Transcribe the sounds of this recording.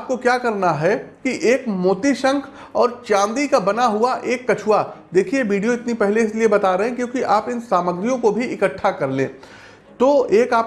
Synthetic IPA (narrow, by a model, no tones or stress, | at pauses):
aːp̚kokjaːkɐɾnaɦɛkiʔeːkmoːt̪iʃə̃ŋkʰ | ɔːɾt͡ʃãːnd̪ikabɐnaɦuaʔeːkːɐt͡ʃʰuwad̪eːkʰieʋiːɖijoɪt̪nipɛɦleɪsliebɐt̪aɾɐɦɛ̃kjõːkiʔaːpɪnsaːməɡɾijõkobʱiɪkəʈʰːakɐɾlḛ̃ː | t̪oeːkaːp